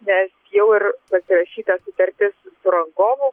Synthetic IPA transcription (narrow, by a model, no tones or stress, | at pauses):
nʲɛsjɛʊɪɾpɐsʲɪɾɐʃʲiːt̪ɐsʊt̪ɐɾʲt̪ʲɪsʊsʊɾɐŋɡoːmʊ